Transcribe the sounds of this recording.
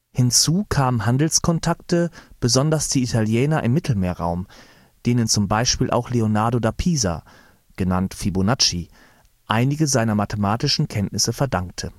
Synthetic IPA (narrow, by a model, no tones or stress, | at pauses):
hɪnt͡suːkʰaːmənɦandl̩skʰɔntʰaktəb̥əzɔndɐsd̥iːitʰaljɛːnɐʔɪ̰mːɪtʰl̩meːɐʁa̰ʊm | d̥eːnənt͡sʊmbaɪʃpiːlʔa̰ʊxleonaɐdodapʰiːza̰ | ɡ̥ənantfibonat͡ʃi | ʔaɪnɪɡəzaɪnɐmatʰəmaːtɪʃn̩kʰɛntnɪsəfɛɐdaŋk̚tʰə